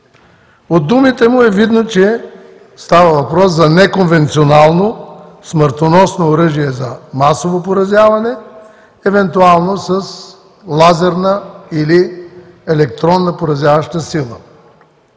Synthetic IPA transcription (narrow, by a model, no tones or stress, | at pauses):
od̪ːumit̪ɛmʊɛvid̪not͡ʃɛ | st̪avɐvɐpɾɔs̬zɐnɛkonvɛnt̪sionalˠnosməɾt̪onɔsnoːɾɤʒijɛzɐmasovopoɾɐzʲjavɐnɛ | ɛvɛnt̪ualˠnosəs | lˠazɛɾnəili | ɛlɛkt̪ɾɔnːəpoɾɐzʲjavɐʃt̪əsilˠə